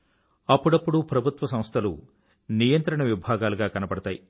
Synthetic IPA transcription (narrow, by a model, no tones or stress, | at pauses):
ɐpːuɽɐpːuɽupɾɐbʱut̪ʋɐsɐm̃st̪ʰɐlṵ | nijɐnt̪ɾɐɳɐʋibʱaːɡaːluɡaːkɐnɐpɐɽɐt̪aːji